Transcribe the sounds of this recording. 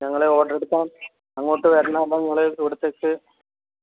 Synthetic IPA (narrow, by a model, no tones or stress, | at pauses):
ɲɐŋːɐɭeo̞ːɖɐreɽukʲːaːn | ɐŋːoːʈːɨʋeɾɐnːaːðaːɲɐŋːɐɭeiʋiɽut̪ːekːɨ